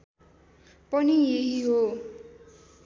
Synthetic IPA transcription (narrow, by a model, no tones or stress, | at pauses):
pʌnieɦiɦo